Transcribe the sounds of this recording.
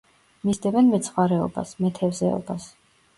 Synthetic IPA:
mizd̪ɛbɛnmɛt̪sʰχwaɾɛɔ̰ba̰smɛt̪ʰɛvzɛ̰ɔ̰bas

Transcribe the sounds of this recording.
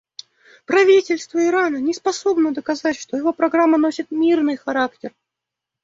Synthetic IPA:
pɾɐvʲitʲɪlʲst̪vəɪɾanənʲɪspɐso̞bnəd̪əkɐzatʲʂt̪o̞jɪvo̞pɾɐɡɾamːəno̞sʲɪt̪mʲirnɨjxɐɾaktʲɪr

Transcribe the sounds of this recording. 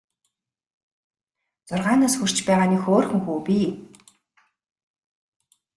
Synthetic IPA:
t͡sʊrʁaːnaːsxur̥t͡ɕpæːʁaːnixoːrxɵ̆ŋxuːpʲi

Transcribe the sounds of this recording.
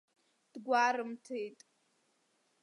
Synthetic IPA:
d̥ɡʷaːɾɨmtʰejtʼ

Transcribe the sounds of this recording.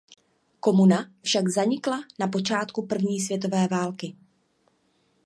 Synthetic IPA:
ko̞munafʃaɡzaɲɪklanapo̞t͡ʃaːt̪kupr̩vɲiːsvjɛt̪̬o̞vɛːvaːlkɪ

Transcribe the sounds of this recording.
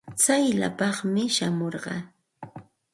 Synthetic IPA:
t͡sajla̰pɑχmɪʃamoɾɢɑ̰

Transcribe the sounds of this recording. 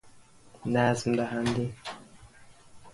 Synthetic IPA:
nazm̩dahandi

